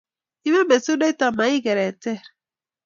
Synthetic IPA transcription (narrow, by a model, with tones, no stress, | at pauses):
i˦me˦me˨su˦de˦ta˨ma˨i˦ɡe˨ɾe˨te˦˨ɾ